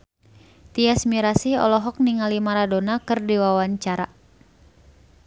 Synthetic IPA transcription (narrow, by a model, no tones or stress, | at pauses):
t̪iasmiɾasiɔ̰lɔɦɔk̚niŋalimaɾadonakɨrdiwawaɲt͡ʃaɾa̰